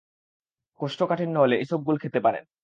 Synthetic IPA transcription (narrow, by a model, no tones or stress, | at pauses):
koʃʈokaʈʰinnɔleʔiʃob̚ɡulkʰet̪epaɾḛn